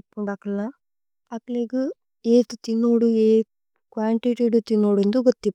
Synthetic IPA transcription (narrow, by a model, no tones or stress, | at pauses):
pːuɳɖakɐlːa | ɐkleɡu | eːt̪ut̪inːoːɽueː | kʋaːɳʈiʈiːɖut̪inːoːɽend̪oɡot̪ːi